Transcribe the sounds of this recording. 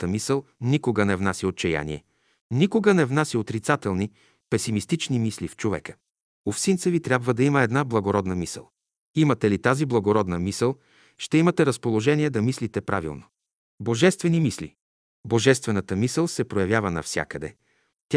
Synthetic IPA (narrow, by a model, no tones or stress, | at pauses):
t̪əmisəlˠnikoɡənɛvnasiot̪t͡ʃɛja̰nḭɛ̰ | nikoɡənɛvnasiot̪ɾit̪sat̪ɛlˠni | pɛsimist̪it͡ʃnimislift͡ʃovɛ̰kə̥ | ofsint̪səvit̪ɾʲabvəd̪ɐiməɛd̪nablˠɐɡoɾɔd̪nəmisə̰lˠ | imət̪ɛlit̪aziblˠɐɡoɾɔd̪nəmisəlˠ | ʃt̪ɛimɐt̪ɛɾəspolˠoʒɛniɛd̪ɐmislit̪ɛpɾʔa̰vḭlˠno | boʒɛst̪vɛnimislḭ | boʒɛst̪vɛnət̪əmisəlˠsɛpɾojɐvjavənɐ̰fsʲja̰kəd̪ɛ̰ | t̪ʲa